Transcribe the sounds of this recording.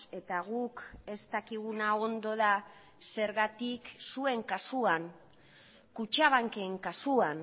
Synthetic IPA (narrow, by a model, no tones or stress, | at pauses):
e̞t̪aɣ̞uke̞st̪akiɣ̞unao̞nd̪o̞ð̞a | se̞ɾɣat̪iksue̞ŋkasuaŋ | kut͡ʃaβaŋkeŋkasuan